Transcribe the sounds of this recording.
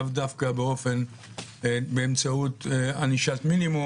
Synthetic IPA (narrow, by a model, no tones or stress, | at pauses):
vd̪afkabeo̞fen | beːmt͡saut̪aniʃat̪minimu